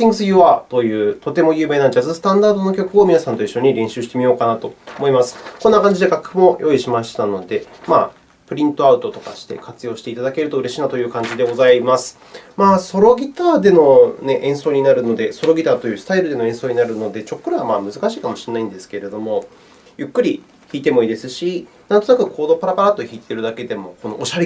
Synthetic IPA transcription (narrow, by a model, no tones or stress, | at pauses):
ĩŋɡɯ̟sɨjɯ̟βat̪o̞jɯ̟ːt̪o̞t̪e̞mo̞jɯ̟ːme̞ːnad͡ʑazɨsɨ̥t̪ãnd̪aːd̪o̞no̞kʲo̞kɯ̟o̞mʲinasãnt̪o̞iɕːo̞ɲ̟iɾẽ̞ɰ̃ɕɨːɕi̥t̪e̞mʲijo̞ːkanat̪o̞omo̞imasɨ̥kõ̞nːakãɲ̟d͡ʑid̪e̞ɡakɯ̥mo̞jʔo̞iɕimaɕi̥t̪ano̞d̪e̞ma̰ː | pɯ̟ɾʲĩnt̪o̞aɯ̟t̪o̞t̪o̞ka̰ɕi̥t̪e̞̰kat͡sɨjo̞ːɕi̥t̪e̞it̪ad̪ake̞ɾɯ̟t̪o̞ɯɾe̞ɕiːnat̪o̞jɯ̟ːkãɲ̟d͡ʑid̪e̞ɡo̞zaimasɨ̥ | maːso̞ɾo̞ɡʲit̪aːd̪e̞no̞ne̞ʔẽ̞ɰ̃so̞ːɲ̟inaɾɯ̟no̞d̪e̞so̞ɾo̞ɡʲit̪aːt̪o̞jɯ̟ːsɨ̥t̪aiɾɯ̟d̪e̞no̞ẽ̞ɰ̃so̞ːɲ̟inaɾɯ̟no̞d̪e̞t͡ɕo̞kːɯ̟ɾɯ̟βamaːmɯzɨkaɕiːkamo̞ɕienːaĩnd̪e̞sɨ̥ke̞ɾe̞d̪o̞mo̞ | jɯ̟kːɯ̟ɾʲi | çiːt̪e̞mo̞iːd̪e̞sɨɕi | nãnt̪o̞nakɯ̟kʰo̞ːd̪o̞paɾapaɾat̪ːo̞çiːt̪ʰe̞ɾɯ̟d̪ake̞d̪e̞mo̞ko̞no̞ʔːɕaɾe